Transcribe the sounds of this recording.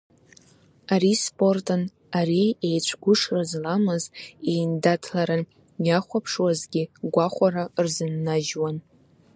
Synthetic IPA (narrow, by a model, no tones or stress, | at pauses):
aɾispʼo̞rtʰʼɨn | aɾiejt͡ɕʷʰɡʷʊʂrazlamɨzejndatʰlaɾa | jaχʷapʰʂwazɡʲɪɡʷaχʷaɾarzɨnːaʒwan